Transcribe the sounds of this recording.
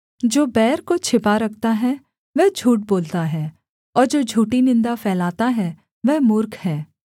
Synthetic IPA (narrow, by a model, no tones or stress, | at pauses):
d͡ʒoːbɛːɾkot͡ʃʰɪpaɾɐkʰt̪aɦɛ | ʋɛɦd͡ʒʱuːʈ̚boːlt̪aɦɛː | ɔːɾd͡ʒoːd͡ʒʱuːʈinɪ̃nd̪afʰɛːlaːt̪aɦɛ | ʋɛmʊɾkɦɛː